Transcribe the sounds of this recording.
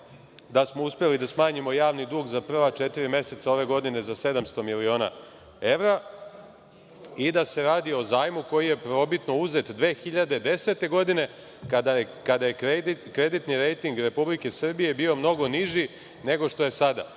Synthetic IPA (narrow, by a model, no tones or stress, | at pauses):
d̪asmo̞uspelid̪asmaːɲimo̞jaːʋnid̪uːɡzapr̩ʋat͡ʃet̪iɾimje̞se̞t̪sao̞ʋe̞ɡo̞d̪ine̞zase̞d̪amst̪o̞milio̞ːna̰ | e̞ʋɾa | id̪ase̞ɾaːd̪io̞zaːjmuko̞jije̞pɾo̞bit̪no̞uze̞t̪d̪ʋe̞ːxiʎad̪ed̪e̞set̪e̞ɡo̞d̪ine̞ | kad̪a | kad̪ajeed̪ikɾe̞d̪it̪niɾejt̪iŋɡɾe̞publike̞sr̩bije̞biːo̞mno̞ɡo̞niʒi | ne̞ɡo̞ʂt̪o̞je̞sad̪a̰